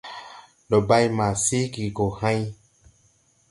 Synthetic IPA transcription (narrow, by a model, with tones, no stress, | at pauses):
lɔ˨ba˦jmã˨si˦ɡi˨ɡo˨hã˦j